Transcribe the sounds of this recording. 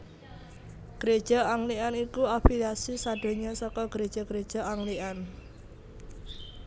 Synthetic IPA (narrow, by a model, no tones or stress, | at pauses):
ɡ̥ɾed̥ʒ̥ɔ̤aŋlianikuapilasisad̪̥o̤ɲɔsɔkɔɡ̥ɾed̥ʒ̥ɔ̤ɡ̥ɾed̥ʒ̥ɔ̤aŋlian